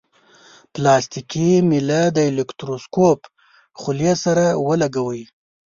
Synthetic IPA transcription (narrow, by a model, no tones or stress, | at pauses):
plɑst̪ikimilad̪əelɪkt̪ɾoskop | χʊljesaɾawəlaɡawəj